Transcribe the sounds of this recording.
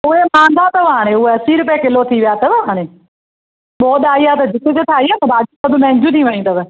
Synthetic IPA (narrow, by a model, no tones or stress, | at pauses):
ʊɦemãːn̆d̪ʱat̪ɐʋɦaːɽ̃ẽʊɦeɐsiɾʊp̬jakɪlot̪ʰiʋijaːt̪ɐʋɦaːɽ̃ẽ | ɓɔːɗ̪aːiaːt̪ɐd͡ʑɪt̪ʰed͡ʑet̪ʰaːɦiaːt̪ɐbaːkit̪ɐbʱɪ̃mɛ̃ɦɪ̃ɲd͡ʑʱũt̪ʰiʋɐɽ̃ĩt̪ɐʋ̆